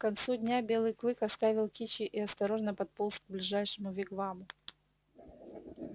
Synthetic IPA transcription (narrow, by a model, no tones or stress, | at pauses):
kɐnt̪sudʲnʲabʲe̞lˠɨjklˠɨkɐst̪avʲɪlˠkʲit͡ɕɪʔiɐst̪ɐɾo̞ʐnəpɐt̪̚polˠsk̚ɡ̚blʲɪʐajʂɨmʊvʲɪkvamʊ